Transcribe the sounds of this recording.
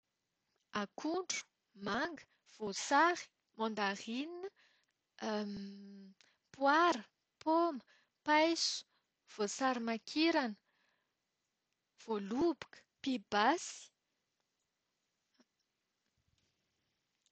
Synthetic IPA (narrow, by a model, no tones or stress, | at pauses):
akʰuɳɖ͡ʐu̥ | maŋɡə | v̥osaɾi̥ | mɔ̃nd̪arininə | pwaɾə | pomə | pajsu̥ | v̥osaɾimakʰiɾanə̥ | v̥olubu̥kə̥pibasi̥